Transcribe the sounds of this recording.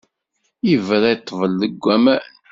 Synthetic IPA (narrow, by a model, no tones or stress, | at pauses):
ivɾæjt̪ˤːvəlːəɡʷːæmæ